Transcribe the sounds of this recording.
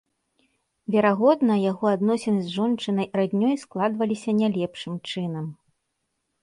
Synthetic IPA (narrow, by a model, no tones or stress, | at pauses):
vʲɛɾaɣɔd̪nɐjaɣɔad̪nɔsʲɛnɨzʐɔnt͡ʂɨnɐjɾad̪ʲnʲɔjsklˠad̪vɐlʲisʲɐnʲalʲɛpʂɨmt͡ʂɨnɐm